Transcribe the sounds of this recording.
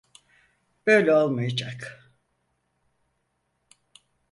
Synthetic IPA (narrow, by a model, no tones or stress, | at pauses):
b̥ø̞jlʲɛo̞lˠmajad͡ʒak